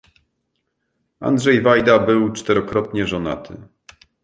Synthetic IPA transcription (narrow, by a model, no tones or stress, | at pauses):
a̰nd̪ʐɛjvajd̪abɘwt͡ʂt̪ɛɾɔkɾɔt̪ɲɛʐɔna̰t̪ʰɘ̰